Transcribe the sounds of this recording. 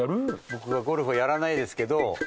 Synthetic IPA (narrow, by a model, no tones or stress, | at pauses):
aɾɯbo̞kɯ̟βaɡo̞ɾɯ̟ɸojaɾanaid̪e̞sɨ̥ke̞d̪o̞